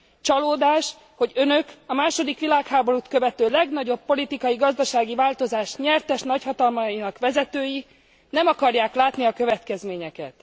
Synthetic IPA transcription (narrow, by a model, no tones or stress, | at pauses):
t͡ʃɒloːd̪aːʃ | ho̞ɟø̞nøkɒmaːʃo̞d̪ikʋilaːkhaːbo̞ɾut̪kø̞vɛt̪øːlɛɡnɒɟo̞pːo̞lit̪ikɒjiɡɒzd̪ɒʃaːɡivaːlt̪o̞zaːʃɲɛrt̪ɛʃnɒchɒt̪ɒlmɒjinɒkʋɛzɛt̪øːji | nɛmɒkɒrjaːklaːt̪niɒkø̞vɛt̪kɛzmeːɲɛkɛ̰t̪